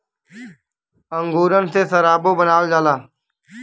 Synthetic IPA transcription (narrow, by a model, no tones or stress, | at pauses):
əŋɡuːɾənseːsəɾaːbõːbənaːld͡ʒaːlaː